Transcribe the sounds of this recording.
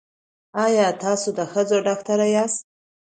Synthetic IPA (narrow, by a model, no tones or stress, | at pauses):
ɑjɑt̪ɑsod̪əxəd͡zoɖɑkt̪aɾajɑst̪̚